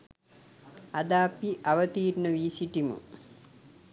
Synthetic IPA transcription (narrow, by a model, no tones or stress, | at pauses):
ad̪aːpiʔaʋət̪iːɾnəʋiːsiʈimṵ